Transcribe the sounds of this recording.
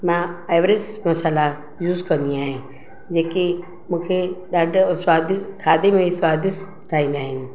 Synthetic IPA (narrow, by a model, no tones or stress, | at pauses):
mãeːʋɾɪzmɐsəla | juːzkɐ̃nd̪iaːɦẽ | d͡ʑeːki | mũːkʰeɗaːɖʱsʋaːd̪ɪskʰaːd̪emẽsʋaːd̪ɪs | ʈʰaːɦĩːn̆d̪aːɦɪnɪ̆